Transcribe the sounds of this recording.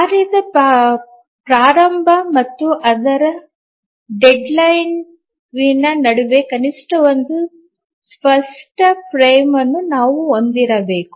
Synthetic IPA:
aːɾiːd̪ɐ | pɾaːɾɐmbʱɐmɐt̪ːuʔɐd̪ɐɾɐ | ɖeɖlɐjn | ʋinɐnɐɽuʋekɐniʂʈɐʋond̪u | spʰɐsʈɐpɾɐjmɐnːunaːʋuond̪iɾɐbe̞ːku̥

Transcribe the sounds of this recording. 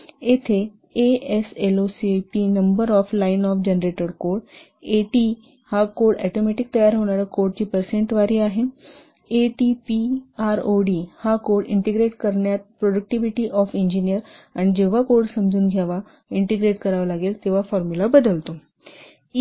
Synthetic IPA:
et̪ʰe | eeselosipinəmbəɾɔflainɔːfd͡ʑenɾeʈəɽkoːɾɽ | eʈi | hakoːɽɛ̰ʈomeʈɪk̚t̪əjaːɾɦoñaɾakoɾɖ̚t͡ɕiːpəɾsẽɳʈʋaɾiːaɦe | eʈipiaɾoɖiːhakoːɽɪɳʈeɡɾeːʈkəɾɳjat̪̚pɾoɖək̚ʈiʋiʈiʔɔːfĩɲd͡ʑinijəɾañid͡ʑeʋakoɾɽsəmd͡ʑʱuːnɡʱjaʋa | ɪɳʈeɡɾeːʈkəɾaʋəlaɡeːlt̪eʋ̤afɔɾmjulabəd̪əlt̪o

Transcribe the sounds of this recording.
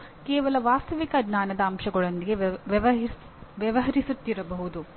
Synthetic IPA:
kɛːʋɐlɐʋaːst̪ɐʋikɐɡnaːnɐd̪ɐːmʃɐɡɐɭond̪iɡe | ʋjɐʋɐɦɐɾisut̪ːiɾɐbɐɦud̪u

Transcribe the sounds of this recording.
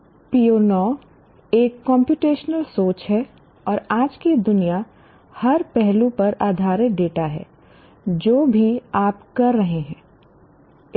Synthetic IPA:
pioːnɔː | eːkːɔ̃ːmpjuːʈeːʃnəlsoːt͡ʃɦɛ | ɔːɾaːd͡ʒked̪ʊnija | hɐɾpɛɦlũpɐɾaːd̪ʱaːɾjəɖeːʈaɦɛ̰ː | d͡ʒoːbʱiaːpkɐɾːɐɦeɦɛ̃ː

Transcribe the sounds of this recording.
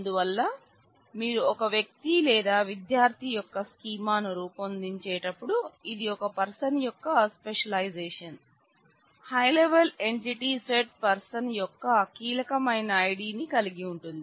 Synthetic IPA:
ɐnd̪uʋɐlːɐ | miːɾuɔkɐʋjɐk̚t̪ilɛːd̪aːʋid̪jaːɾt̪ʰijɔkːɐskiːmaːnɐɾuːpɐnd̪iɲt͡ʃɛːʈɐpːuɽuid̪iɔkɐpɐɾsɐnjɔkːɐspeʂɐlɐjd͡ʒeːʂɐn | hɐjleʋɐleɳʈiʈiseʈ̚pɐɾsɐnjɔkːɐkiːlɐkɐmɐjnɐːjɽiːnikɐliɡiuɳʈund̪i

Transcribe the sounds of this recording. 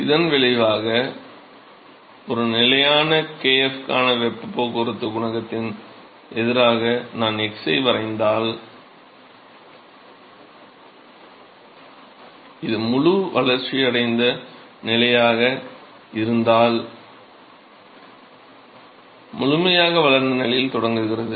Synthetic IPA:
ɪðɐnʋɛɭɪʋaːɣɐ | ɔɾɯnɪlɐjaːnɐkeːɛfkaːnɐʋɛpːpːoːkʊɾɯt̪ːɯɡʊɳɐɣɐt̪ːɪn | ʔɛðɪɾaːɣɐnaːnɛksɐɪʋɐɾɐɪnd̪aːl | ɪðɯmʊɻʊʋɐɭɐɾt͡ʃiɐɽɐɪnd̪ɐ | nɪlɐjaːɣɐ | ɪɾɯnd̪aːl | mʊɻʊmɐjaːɣɐʋɐlɐɾnd̪ɐnɪlɐjɪlt̪ɔɽɐŋɡɯɣɪrɐðɯ

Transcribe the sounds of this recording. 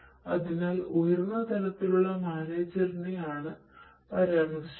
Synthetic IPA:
ɐðinaɐːlojirnːɐt̪ɐlɐt̪ːiluɭːɐmaːneːd͡ʑɐrnːijaːɳɨ | pɐɾɐjaːɳɐs

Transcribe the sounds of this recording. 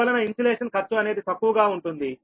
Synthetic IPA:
ɐlɐnɐiɲsɐleːʂɐnkɐɾt͡ʃːuɐne̞ːd̪it̪ɐkːuʋuɡaːuɳʈund̪i

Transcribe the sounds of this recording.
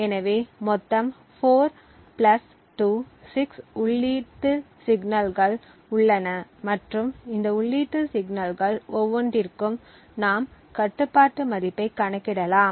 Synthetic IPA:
ɛnɐʋeːmɔt̪ːɐm | foːɾ | plɐs | ʈuː | sɪksʊɭːiːʈːɯ | sɪɡnɐlɣɐɭ | ʊɭːɐnɐmɐʈrɯmɪnd̪ɐʊɭːiːʈːɯsɪɡnɐlɣɐɭɔʋːɔɳɖɪɾkːɯm | naːm | kɐʈːɯpːaːʈːɯmɐðɪpːɐɪkːɐɳɐkːɪɽɐlaːm

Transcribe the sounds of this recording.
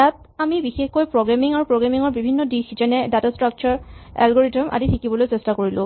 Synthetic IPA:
jat | amibixexkojpɹoɡɹamiŋaɹupɹoɡɹamiŋɔɹbibʱinːɔdisd͡ʒɛnɛdatɔstɹak̚t͡ʃɔɹɛ̰lɡɔɹitɔmʔa̰ditʰikibɔlojsestakoɹilʊ̃

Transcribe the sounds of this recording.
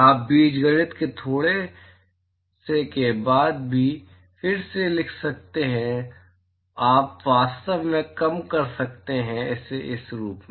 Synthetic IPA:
aːp̚biːd͡ʒɡəɽɪt̪ket̪ʰoːɽe | sekebaːd̪̚bʱi | fɪɾselɪkʰsɐk̚t̪eɦɛ̃ | aːpʋaːst̪əʋmẽkɐmkɐɾsɐk̚t̪eɦɛ̃ɛːseʔɪsɾuːpm

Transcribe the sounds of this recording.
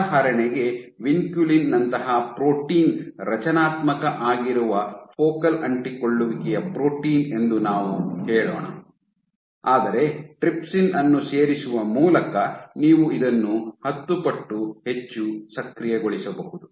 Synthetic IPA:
ɦɐɾɐɳɛɡe̞ʋiŋkjulinːɐnt̪ɐɦɐpɾoːʈiːnɾɐt͡ʃɐnaːt̪mɐkɐʔaːɡiɾuʋɐpʰoːkɐlɐɳʈikoɭːuʋikɛjɐpɾo̞ːʈiːne̞nd̪unaːʋuhɛːɭɔ̰ːɳɐ̰ | aːd̪ɐɾe̞ʈɾipsinɐnːuseːɾisuʋɐmuːlɐkɐniːʋuid̪ɐnːuhɐt̪ːupɐʈːuhe̞t͡ʃːusɐkɾijeɡoɭisɐbɐɦud̪u

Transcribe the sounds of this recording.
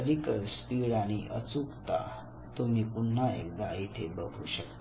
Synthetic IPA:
əd̪ʱikəɾspiɾaɽ̃iʔət͡sukt̪a̰ | t̪omiːpunːaḛk̚d̪ait̪ʰebəɡʱuɕək̚t̪

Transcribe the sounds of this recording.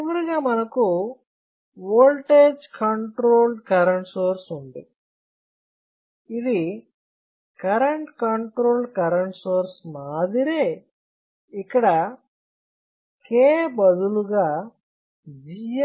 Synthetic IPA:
tiʋɐɾuɡaːmɐnɐku | ʋoːlʈeːd͡ʒkɐɳʈɾoːlɖkɐɾɐɳʈsoːɾsund̪i | id̪i | kɐɾɐɳʈkɐɳʈɾoːlɖkɐɾɐɳʈsoːɾsmaːd̪iɾeː | ikːɐɽɐ | keːbɐd̪uluɡaː | d͡ʒij

